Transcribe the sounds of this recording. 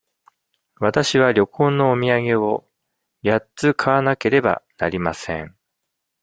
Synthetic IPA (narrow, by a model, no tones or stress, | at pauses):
βat̪aɕiβaɾʲo̞koːnːo̞ːmʲiaɡe̞o̞ | jatt͡sːɨkʰaβanake̞ɾe̞ba̰naɾʲimasẽ̞ŋ